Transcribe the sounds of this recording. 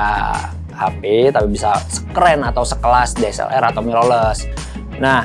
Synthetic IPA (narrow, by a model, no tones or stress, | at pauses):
a | hapit̪apibisasə̥kɾɛnat̪awsəkəlasdɛsɛ̰lʔɛ̰ɾat̪awmiɾoləs | na